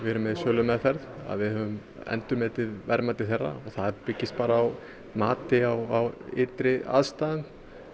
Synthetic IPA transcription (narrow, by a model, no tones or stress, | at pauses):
vɪɾʏmːɛðsœːlʏmɛðθɛɾða̰ðvɪðhœːvʏm | ɛ̰nt̪ʏɾmɛːt̪ɪðvɛɾmat̪ɪ̥θɛrːa̰ɔɣθaðpɪcːɪst̪̚paːɾaːw | maːt̪ɪawawɪ̰ːt̪ɾɪa̰ðst̪aːðn